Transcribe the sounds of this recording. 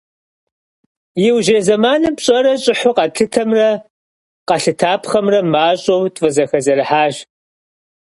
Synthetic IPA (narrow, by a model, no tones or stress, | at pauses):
jɪwʒeːzɐmaːnɐmpɕʼɐɾɐɕʼɪħʊqɐtʰɨtʰɐmrɐ | qɐɬɨtʰaːpχɐmrɐmaːɕʼowtʼfʼɨzɐxɐzɐrɨħaːʒ